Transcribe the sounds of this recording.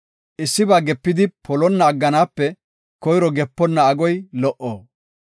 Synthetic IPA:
ʔɪsːɪbaːɡɛpːɪd̪ɪpʰɔlɔnːɐːɡːɐnaːpːɛ | kɔjɾɔɡɛpːɔnːɐɐɡɔjlɔʔo̰ː

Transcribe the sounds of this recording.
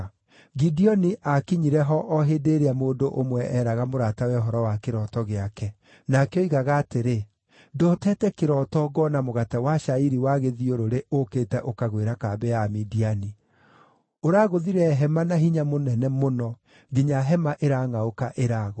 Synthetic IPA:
ɡidiɔniʔakiɲiɾɛɦɔʔɔɦedeɾeamoːdoʔomwɛʔɛːɾaɣamoɾatawɛɦɔɾɔwakeɾɔtɔɣeakɛ | nakeɔiɣaɣaːteɾe | dɔtɛtɛkeɾɔtɔɣɔnamoɣatɛwaʃaiɾiwaɣeðioɾoɾeokeːtɛʔokaɣweɾakabɛamidiani | oɾaːɣoðiɾɛɦɛmanahiɲamonɛnɛmonɔ | ɡiɲaɦɛmaʔeɾaŋaokaʔeɾaɣo

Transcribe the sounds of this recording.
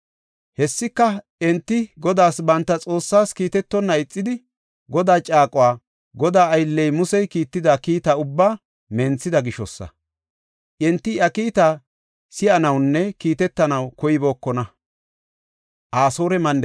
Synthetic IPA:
hɛsːɪkːɐ | ɛnt̪ːɪɡɔd̪aːsbɐnt̪ːɐt͡sʼo̞ːsːaːskiːt̪ɛt̪ːɔnːɐɪt͡sʼːɪd̪ɪ | ɡɔd̪aːt͡ʃʼaːkʼʊwaː | ɡɔd̪aːɐjlːɛjmʊsɛjkiːt̪ːɪd̪akiːt̪ɐʊbːaː | mɛnt͡sːɪd̪ɐɡɪʃɔsːɐ̰ | ʔɛnt̪ːɪɐkiːt̪a | sɪʔɐnɐwnːɛkiːt̪ɛt̪ːɐnɐwkɔjɪbo̞ːkːɔnɐ | ʔaːsoːɾɛmɐnd̪

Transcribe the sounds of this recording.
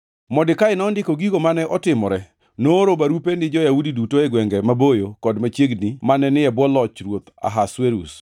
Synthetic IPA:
mɔdɪkaɪnɔːndɪkoɡiɡomanɛʔɔtɪmɔɾɛ | noɾobaɾupenɪd͡ʒɔjaudidutoɛɡwɛŋɡɛmabojokɔdmat͡ʃjeɡnimanɛnɪɛbwɔlɔt͡ʃɾwot̪a̰ɦasweɾṵs

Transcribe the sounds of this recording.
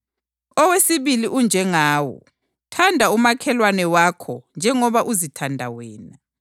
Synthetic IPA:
ɔwesiβiliʔund͡ʒʱɛŋaːwɔ̰ | tʰandʱaumakʰɛlwanɛwakʰɔnd͡ʒʱɛŋɔβaʔuzitʰandʱa̰wɛːna

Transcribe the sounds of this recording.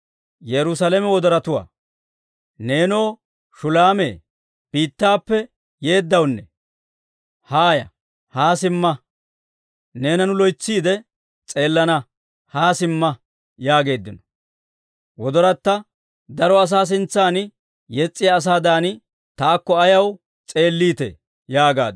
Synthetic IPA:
jɛɾʊs̬ɐlemɛwɔd̪ɔɾɐt̪ʊwa̰ː | neːno̞ː | ʃʊlaːmḛː | b̥iːt̪ːaːpːɛ | je̞ːd̪ːɐwnːɛ | haːjɐ̰ | haːsɪmːɐ | ne̞ːnɐnʊlɔjt͡sːiːd̪ɛ | t͡sʼe̞ːlːɐnɐ | haːsɪmːɐ | jaːɡe̞ːd̪ːɪnɔ | wɔd̪ɔɾɐt̪ːɐ | d̪ɐɾɔɐs̬aːs̬ɪnt͡sːaːn | jɛt͡sʼːɪjaːs̬aːd̪aːnɪ | t̪aːkːɔɐjɐw | t͡sʼe̞ːlːiːt̪ḛ | jaːɡa̰ːd̪

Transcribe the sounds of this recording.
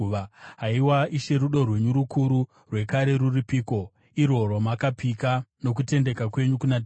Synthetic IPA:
ɦaiwaiʃe̞ɾuɗo̞rwe̞ɲuɾukuɾu | rwe̞kaɾe̞ɾuripiːko̞ | iɾo̞romakapikano̞k̬ute̞nde̞kakwe̞ɲukunat

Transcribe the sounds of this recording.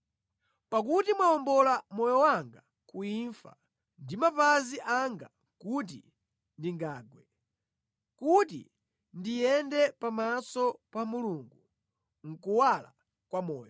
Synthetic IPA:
pakutimwaɔmbɔlamɔjɔwaŋɡa | kuiɱfa̰ | ndimapaziʔaŋɡa | kut̬i | ndiŋɡaːɡwɛ | kutḭ | ndijɛndɛpamasɔpamuluːŋɡu | ŋ̩kuwala̰ | kwamɔːjɔ

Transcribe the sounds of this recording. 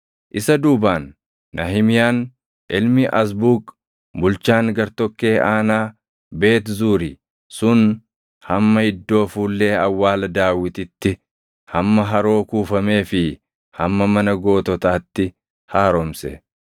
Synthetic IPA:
ʔɪsɐd̪uːbaːnː | ɐɦɪmɪjaːn | ʔɪlmɪʔɐs̬buːk | bʊlt͡ʃaːŋɡɐɾt̪ɔkːe̞ːʔaːnaː | be̞ːt̪zuːɾɪ | sʊn | hɐmːɐhɪd̪ːo̞ːfuːlːe̞ːɐwːaːlɐd̪aːwɪt̪ɪt̪ːɪ | hɐmːɐɦɐɾo̞ːkuːfɐme̞ːfɪ | hɐmːɐmɐnɐɡo̞ːt̪ɔt̪aːt̪ːɪ | haːɾɔmsɛ̰

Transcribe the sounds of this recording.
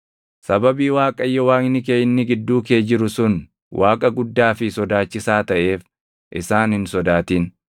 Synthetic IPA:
sɐbɐbiːwaːkʼɐjːɛwaːŋɪnːɪkeːjɪnːɪɡɪd̪ːuːke̞ːd͡ʒɪɾʊsʊn | wʔaːkʼɐɡʊd̪ːaːfɪsɔd̪aːt͡ʃːɪsaːt̪ɐʔe̞ːf | ʔɪsaːnhɪnsɔd̪aːt̪iːn

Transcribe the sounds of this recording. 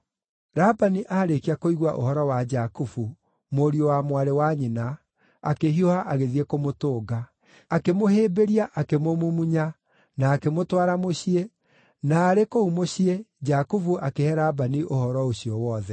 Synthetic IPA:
ɾabaniʔaːɾekiakoiɣwaʔo̰hɔɾɔwad͡ʒakufu | moɾiowamwaɾewaɲina | akeɦiohaʔaɣeðiekomotoːɡa | akemoheːbeɾiaʔakemomumuɲa | naːkemotwaɾamoɕie | naːɾekoumoɕied͡ʒakufuʔakehɛɾaːbaniʔohɔɾɔoɕiɔwɔːðɛ

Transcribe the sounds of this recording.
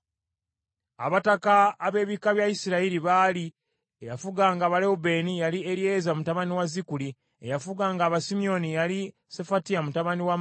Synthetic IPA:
a̰βatakaːβe̞ːβikaβjajisiɾaiɾiβaːli | ejafuɡaːŋɡaːβaleube̞nijalieɾje̞ːzamutaβaniwazikuli | ejafuɡaːŋɡaːβasimio̞nijali | sefatijamutaβaniwa

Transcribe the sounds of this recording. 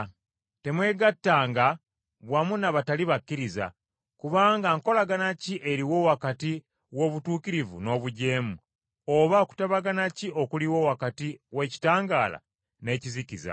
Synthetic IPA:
te̞mwe̞ːɡatːaːŋɡa | βwamunaβataliβakːiɾiza̰ | kuβaːŋɡaŋko̞laɡanaciʔe̞ɾiwo̞ːwakati | wo̞ːβutuːkiɾivṵno̞ːβuɟe̞ːmu | oβaoku̥taβaɡanaciʔo̞kuliwo̞wakatiwe̞ci̥taːŋɡaːla̰ | ne̞ːcizikiza̰

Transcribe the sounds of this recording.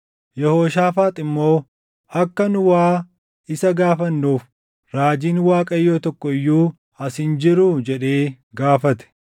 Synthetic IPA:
jɛhoːʃaːfaːt̪ʼɪmːo̞ː | ɐkːɐnʊwaː | ɪsɐɡaːfɐnːuːf | ɾaːd͡ʒiːnwaːkʼɐjːoːt̪ɔkːɔɪjːuː | ɐshɪnd͡ʒɪɾʊd͡ʒɛᶑe̞ː | ɡaːfɐt̪ɛ̥

